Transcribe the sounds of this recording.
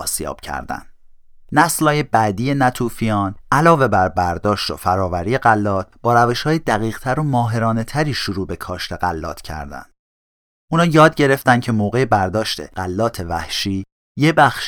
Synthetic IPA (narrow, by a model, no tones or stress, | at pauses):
sjɒ̰ːb̥cʰæ̰ɾd̪æ̰nd̪ | næslhɒːje̞bæd̪iːje̞næt̪ʰuːfijɒːnælɒːve̞bæɾbæɾd̪ɒːʃt̪o̰fæɾɒːvæɾiːje̞ɢælːɒːt̪̚b̥ɒːɾæve̞ʃhɒːjed̪æɣiːɣ̥t̪ʰæɾomɒːɦe̞ɾɒːne̞t̪ʰæɾiːʃoɾuːbe̞kʰɒːʃt̪ʰe̞ɢælːɒ̰ːt̪ʰcʰæ̰ɾd̪æ̰nd̪̥ | ʔuːnɒːjɒːd̪̚ɟe̞ɾe̞ft̪ænd̪cʰe̞moːɣe̞jebæɾd̪ɒːʃt̪ʰe̞̰ɢ̥ælːɒːt̪ʰe̞væ̰hʃiː | je̞bæxʃ